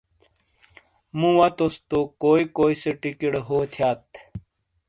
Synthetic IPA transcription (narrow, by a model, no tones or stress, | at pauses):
mũwɐt̪ost̪okoːikoːiseʈikeɽɦoːt̪ʰjaːt̪